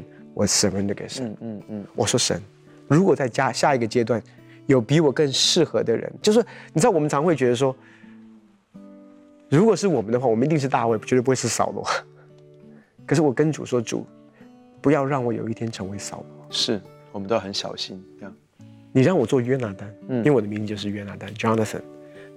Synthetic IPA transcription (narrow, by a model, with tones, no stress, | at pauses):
nwɔ̰˨˩sə˨˩nwə˧˥nd̪ə˩kḛ˨˩ɪʂə˧˦n˧nwʔɔ̰˨˩ʂwɔ˥ʂə̰˧˥n | ɻu˧˥kwɔ˨˩t͡sa˥˧ɪt͡ɕja˥˧ɕja˥˩i˧˥ɡə˧t͡ɕjɛ˥t̪̬wa˥˩n | jo˨˩ʊpi˧˥wɔ˨˩kə˥˧ŋʂɻ̩˥˩xɤ˧˥d̪ə˧ɻə̰˧˥nt͡ɕjo˥˧ʊʂɻ̩˥˩ni˨ʈ͡ʂɻ̩˥˩wmə˦nʈ͡ʂʰɑ˧˥ŋxwe˥˩ɪt͡ɕɥɛ˧˥d̪ə˧ʂ̬wɔ˥ | ɻu˧˥kwɔ˨˩ʂɻ̩˥˩wɔ˨˩mə˦nd̪ə˧xwa˥˩wmə˦n˧t̪i˥˧ŋʂ̬ɻ̩˥˧t̪a˥˧we˥˩ɪ˨t͡ɕɥ̪ə˧pu˥xwʂɻ̩˥˩sɑ̰˨˩ʊlwɔ̰˧˥˦ | kʰə˨˩ʂɻ̩˥˩wɔ˨˩kə˥nʈ͡ʂṵ˨˩ʂwɔ˥ʈ͡ʂṵ˨˩˦ | pu˧˥jɑ˥˧ʊɻɑ˥˩ŋwɔ˨˥jo̰˨˩ʊi˥˩t̪ʰjɛ˥nʈ͡ʂʰɤ˧˥ŋwe˧˥ɪsɑ̰˨˩ʊlwɔ˧˥ʂɻ̩˥˩ | wɔ˨˩mə˦t̪o˥˧˩xə˧˦nɕjɑ̰˨˩ʊɕi˥n˥˩ | ni˨˩ɻɑ˥˩ŋwɔ˨˩t͡swɔ˥˩ɥɛ˥na˧˥t̪a˥n̩˥˩i˥nwɔ˨˩d̪ə˦mi˧˥ŋt͡s̩˧jo˥˧ʊʂɻ̩˥˩ɥɛ˥na˧˥t̪a˥nʈ͡ʂɑ˥nə˨˩sə̰˨˩n